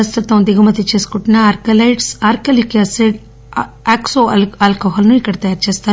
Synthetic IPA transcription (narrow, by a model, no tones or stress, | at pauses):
ɐst̪ɐt̪ɐwnd̪iɡɐmɐt̪it͡ʃe̞ːsu̥kuʈinaaːɾkɐlɐjʈsaːɾkɐlikɐseɖ | aːksolalkoːɦɐlɐnuikːɐɽɐt̪ɐjaːɾt͡ʃeːst̪aːɾu